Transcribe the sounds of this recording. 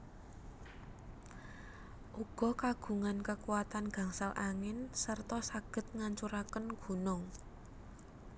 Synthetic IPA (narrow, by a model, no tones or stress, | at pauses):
ʔuɡ̥ɔ̤kaɡ̥ṳŋankəkuwat̪anɡ̥ä̤ŋsalʔaŋɪnsərt̪ɔsaɡ̥ə̤t̪̚ŋaɲt͡ʃuɾakənɡ̥ṳnʊŋ